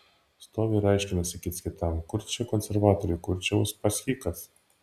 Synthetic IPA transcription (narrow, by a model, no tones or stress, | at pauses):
st̪oːʋʲɛɾɐɪʃʲkʲɪnɐsʲɪkʲiːt̪sʲkʲɪt̪ɐmkʊɾʲt͡ʃʲɛkɔnʲsʲɛɾʋɑːt̪ɔɾʲɪkʊɾʲt͡ʃʲɛʊspɐsʲxʲiːkɐs